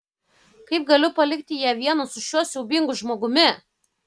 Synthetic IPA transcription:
kɐɪp̚ɡɐlʲʊpɐlʲɪkt̪ʲɪjæːʋʲiɛnɐsʊʃʲuɔsʲɛʊbʲɪŋɡʊʒmoːɡʊmʲɪ

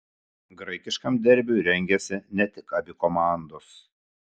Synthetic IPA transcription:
ɡɾɐɪkʲɪʃkɐmd̪ʲɛɾʲbʲuːɾʲɛŋʲɡʲɛsʲɪnʲɛt̪ʲɪkɐbʲɪkɔmɑˑnd̪os

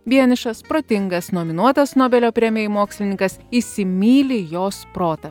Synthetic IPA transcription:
ʋʲiɛnʲɪʃɐspɾoːt̪ʲɪŋɡɐsnoːmʲɪnuɔt̪ɐsnoːbʲɛlʲoːpʲɾʲɛmʲɛɪmoːksʲlʲɪnʲɪŋkɐsiːsʲɪmʲiːlʲɪjoːspɾoːt̪ɐ

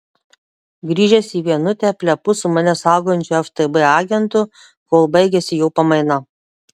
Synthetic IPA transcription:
ɡɾʲiːʒʲɛsʲiːʋʲiɛnʊt̪ʲɛpʲlʲɛpʊsʊmɐnʲɛsɑˑʊɡoːjʊnʲt͡ʃʲʊɛft̪ɨbɨɑːɡʲɛnt̪ʊ | koːlˠbɐɪɡʲɛsʲɪjɛʊpɐmɐɪnɐ

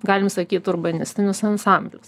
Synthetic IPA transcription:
ɡɑːlʲɪmsɐkʲiːt̪ʊɾbɐnʲɪsʲt̪ʲɪnʲʊsɐnsɑˑmʲbʲlʲʊs

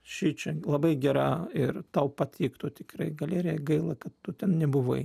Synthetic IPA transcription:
ʃʲiːt͡ʃʲɛlˠɐbɐɪɡʲɛɾɑːɪrt̪ɐʊpɐt̪ʲiːkt̪oːt̪ʲɪkrɐɪɡɐlʲeːɾʲɪjɛɡɐɪlˠɐkɐt̪ːʊt̪ʲɛnnʲɛbʊʋɐɪ

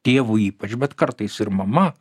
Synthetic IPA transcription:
t̪ʲeːʋuiːpɐt͡ʃbʲɛt̪kɐɾt̪ɐɪsɪɾmɐmɐ

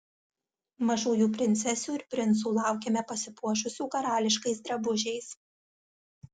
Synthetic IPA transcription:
mɐʒuːjuːpʲɾʲɪnʲsʲɛsʲuːɪɾpʲɾʲɪnˑt̪s̬uːlˠɑˑʊkʲeːmʲɛpɐsʲɪpuɔʃʊsʲuːkɐɾɑːlʲɪʃkɐɪs̬d̪ɾɐbʊʒʲɛɪs

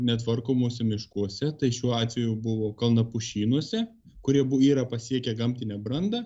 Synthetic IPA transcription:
nʲɛt̪ʋɐrkoːmuːsʲɛmʲɪʃkuɔsʲɛt̪ɐɪʃʲuːɔɑːt̪ʲʋʲɛjubʊʋoːkɐlˠnɐpʊʃʲiːnuɔsʲɛ | kʊɾʲiɛbʊiːɾɐpɐsʲiɛkʲɛɡɐmʲt̪ʲɪnʲɛbɾɐnd̪ɐ

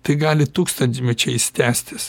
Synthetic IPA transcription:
t̪ɐɪɡɑːlʲɪt̪uːkst̪ɐnʲt̪ʲɪmʲɛt͡ʃʲɛɪst̪ʲæːsʲt̪ʲɪs

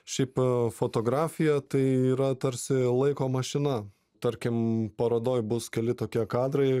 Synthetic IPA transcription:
ʃʲɛɪpfoːt̪oːɡɾɑːfʲɪjɛt̪ɐɪiːɾɐt̪ɐɾʲsʲɪlˠɐɪkoːmɐʃʲɪnɐ | t̪ɐɾʲkʲɪmpɐɾoːd̪oːjbʊskʲɛlʲɪt̪oːkʲiɛkɑːd̪rɐɪ

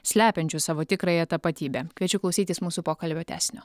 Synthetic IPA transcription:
sʲlʲæːpʲɛnʲt͡ʃʲʊsɑːʋoːt̪ʲɪkɾɐjɛt̪ɐpɐt̪ʲiːbʲeːkʲʋʲiɛt͡ʃʲʊklˠɐʊsʲiːt̪ʲiːsmuːsuːpoːkɐlʲbʲoːt̪ʲæ̰ːsʲnʲoː

